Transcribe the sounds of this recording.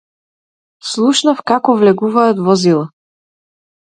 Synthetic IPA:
slˠuʃnəfkakovlɛɡuvaːt̪vozilˠə

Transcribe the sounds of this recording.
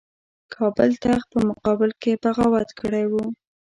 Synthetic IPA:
kʰɑbɪlt̪axpəmʊqɑbɪlkepaɣawat̪kʰəɽajwu

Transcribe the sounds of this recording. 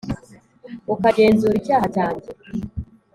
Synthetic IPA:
ukaɟe̞ːnzuːɾicaːhacaːɲɟe

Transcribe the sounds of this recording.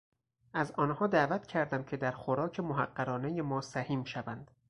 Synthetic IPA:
ʔæzɒːnhɒːd̪æːvæt̪cʰæɾd̪æmcʰe̞d̪æɾxoɾɒːcʰe̞moɦæɢːæɾɒːne̞jemɒːsæhiːmʃævænd̪̥

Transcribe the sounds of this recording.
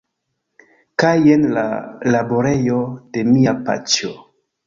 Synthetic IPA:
kajenla̰laboɾe̞jo̞de̞miapa̰t͡ʃo

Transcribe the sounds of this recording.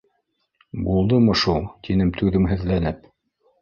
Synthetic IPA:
bulˠd̪ɤmɤʃulˠt̪inɘmt̪ʰʉðɘmɦɘ̆ðlænɘp

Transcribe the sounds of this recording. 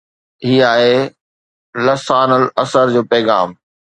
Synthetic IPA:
ɦiːaːɦe | lɐsaːnəlɐsəɾd͡ʑoːpɛːɣaːm

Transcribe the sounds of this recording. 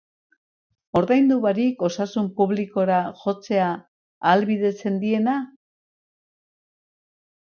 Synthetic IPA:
o̞ɾðajnd̪uβaɾiko̞sasumpuβliko̞ɾaʝo̞t͡se̞aː | lβiðe̞t͡se̞nd̪ie̞na

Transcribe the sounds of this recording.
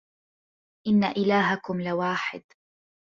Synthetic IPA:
ʔɪnːaʔɪlaːɦakʊmlɪwaːħɪ̰d̪

